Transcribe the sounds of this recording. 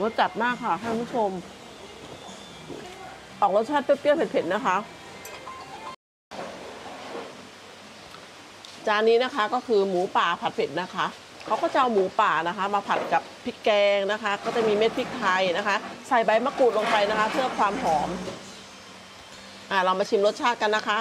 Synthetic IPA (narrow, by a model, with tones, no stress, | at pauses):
nɔ˦˥t̪̚t͡ɕa˨˩t̪̚maː˥˩kʰːa˥˩ha˥˩˨kʰpʰːu˥t͡ɕʰo˧m | ʔɔː˨˩k̚lo˦˥t͡ɕʰa˥˩pe˦˥t̪̚kiː˥˨pʰe˨˩t̪pe˨˩t̪̚na˦˥kʰa˦˥ʔ | t͡ɕaː˨˩kniː˦˥na˦˥kʰa˦˥kɔː˥˩kʰɯː˧muː˩˦paː˨˩pʰa˨˩t̪̚pʰe˨˩t̪̚na˦˥kʰa˦˥ʔ | kʰa˦˥wkʰaː˥˩t͡ɕa˨˧ʔa˧wmuː˩˦paː˨˩na˦˥kʰa˦˥maː˧pʰa˨˩t̪̚ka˨˩pʰːi˦˥kːɛː˧ŋna˦˥kʰa˦˥kɔː˥˩t͡ɕa˨˩miː˧me˦˥t̪̚pʰi˦˥k̪ʰːa˧jna˦˥kʰa˦˥ʔsa˨˩jba˧jmaː˧˥kuː˨˩t̪̚lo˧ŋpa˧jna˦˥kʰa˦˥pʰɯ˥˩ɐkʰwaː˧mhɔː˩˦m | ʔaː˨˩ɾa˧wmaː˧t͡ɕʰi˧mlo˦˥t̪̚t͡ɕʰaː˥˩t̪̚ka˧nːa˦˥kʰa˦˥